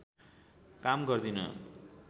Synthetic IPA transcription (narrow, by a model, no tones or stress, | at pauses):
kamɡʌrd̪inʌ̰